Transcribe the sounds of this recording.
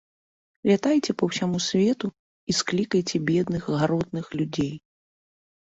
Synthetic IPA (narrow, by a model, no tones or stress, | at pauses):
vʲat̪ajt͡sʲɛpɐwsʲamusʲvʲɛt̪u | isklʲikɐjt͡sʲɛbʲɛd̪nɨxɣaɾɔd̪nɨxlʲud͡zʲej